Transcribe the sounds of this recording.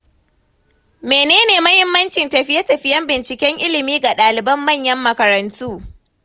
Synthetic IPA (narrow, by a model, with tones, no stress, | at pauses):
meː˨neː˦neː˨mɐ˦hɪ˦mːɐ˦nt͡ʃɪ˨ntɐ˨ɸɪ˦jɐ˦tɐ˨ɸɪ˦jɐ˦mbɪ˨nt͡ʃɪ˨kʲɛ˦ŋʔɪ˦lɪ˨miː˦ɡa˨ɗaː˨lɪ˨bɐ˦mːɐ˦˨ɲjɐ˦mːɐ˨kɐ˨ɾɐ˨ntʰuː˦